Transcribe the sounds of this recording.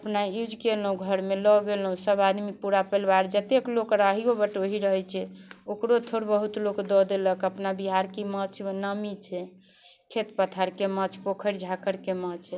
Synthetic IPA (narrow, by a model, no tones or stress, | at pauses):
əpnaud͡ʒkelɦũɡʱəɾmelɔɡelɦũsəbad̪mipuɾapəlbaɾd͡ʒət̪eklokɾaɦiobəʈoɦiɾəɦɛt͡ʃʰɛokɾot̪ʰoɾbəɦut̪lokd̪ɔd̪eləkəpnabiɦaɾkimət͡ʃʰnəmit͡ʃʰɛ | kʰet̪pət̪ʰaɾkemət͡ʃʰpokʰəɾd͡ʒʱakəɾkemət͡ʃʰ